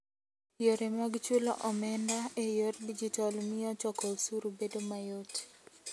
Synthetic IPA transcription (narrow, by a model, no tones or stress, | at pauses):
joɾemaɡt͡ʃulɔ̰ʔɔmɛndaejoɾdid͡ʒitalmɪɔt͡ʃɔkɔusuɾubedomajot